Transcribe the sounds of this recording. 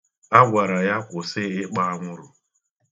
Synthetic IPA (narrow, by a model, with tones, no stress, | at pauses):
a˦ɡʷa˨ɾa˨ja˦kʷʊ˨sɪ˦ɪ˦k͡pa˦a˦ŋʷʊ˦ɾʊ˨